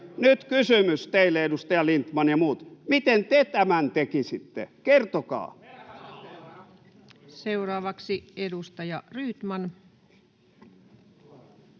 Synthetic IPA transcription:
nyt̪kysymyst̪eilːeedust̪ɑjɑlint̪mɑnjɑmuːt̪mit̪ent̪et̪æmænt̪ekisit̪ːḛkert̪okɑ̰ː | se̞uɾɑːʋɑksiedust̪ɑjɑryːt̪mɑn

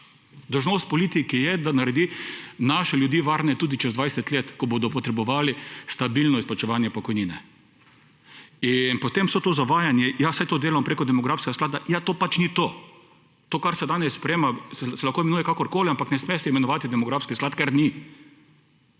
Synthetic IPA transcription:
d̪ɔwʒnoːst̪̚pɔliːt̪ikijɛd̪anaɾɛd̪inaːʃɛljʊd̪jiːʋaɾnɛt̪uːd̪it͡ʃɛzd̪ʋajsɛt̪leːt̪kɔboːd̪ɔpɔt̪ɾɛbɔʋaːlist̪abilnɔisplat͡ʃɛʋaːnjɛpɔkɔjninɛ | inpot̪emsot̪oːzaʋaːjanjɛjasajt̪oːd̪eːlampɾeːkɔd̪ɛmɔɡɾafskɛɡasklaːd̪ajat̪oːpat͡ʃnit̪oː | t̪oːkaɾsɛd̪aːnɛsːpɾɛjeːmasɛsɛlaxkoimɛnuːjɛkakɔɾkoːliampaknɛsmɛsɛimɛnɔʋaːt̪id̪ɛmɔɡɾafskisklaːt̪kɛɾni

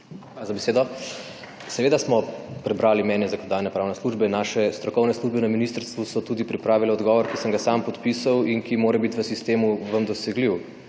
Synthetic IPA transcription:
azabeseːd̪ɔ | sɛʋeːd̪asmɔpɾɛbɾaːlimɛːnjɛzɐkɔnɔd̪ajnɛpɾaːwnɛsluʒbɛnaːʃɛst̪ɾɔkɔwnɛsluʒbɛnɐminist̪əɾst̪ʋusɔt̪ud̪ipɾipɾaːʋilɛɔd̪ɡɔːʋɔɾkisəmɡasampɔt̪pisɐwinkimoːɾɛbit̪ʋəsist̪eːmuʋəmd̪ɔsɛɡliw

